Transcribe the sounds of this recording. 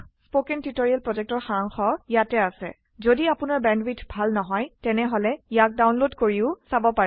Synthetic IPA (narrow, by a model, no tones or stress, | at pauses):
spokɛntitoɹialpɹɔd͡ʒɛk̚tɔɹxaŋxɔjatɛasɛ̰ | zodiapʊnaɹbɛndwitbʱalnɔɦɔjtɛnɛɦɔlɛjak̚dawnlodkoɹiʊsabɔpaɹ